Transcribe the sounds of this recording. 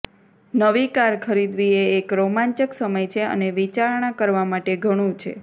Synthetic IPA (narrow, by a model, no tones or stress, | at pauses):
nəʋikaɾkʰəɾid̪ʋieːkɾomãɲt͡ʃəksəməjt͡ʃʰeə̰neʋit͡ʃaɾɳ̃akəɾʋamaʈeɡʱəɽ̃ũt͡ʃʰḛ